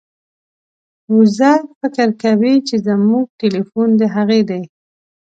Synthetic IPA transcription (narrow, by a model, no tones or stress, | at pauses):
ʊzafɪkəɾkawit͡ʃezamuɡ̚ʈelifund̪əɦaɣed̪aj